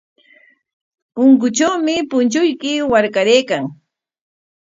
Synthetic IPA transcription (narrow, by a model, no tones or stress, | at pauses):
pʊŋkʊt͡ʃawmɪpʊnt͡ʃʊjkɪwaɾkaɾeːkaŋ